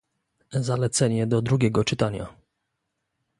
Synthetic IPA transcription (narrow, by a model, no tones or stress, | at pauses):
zalɛt̪sɛɲɛd̪ɔd̪ɾuɡʲɛɡɔt͡ʂɘt̪aɲa̰